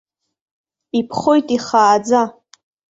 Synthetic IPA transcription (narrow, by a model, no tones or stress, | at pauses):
ipʰχojtʼiχaːd͡za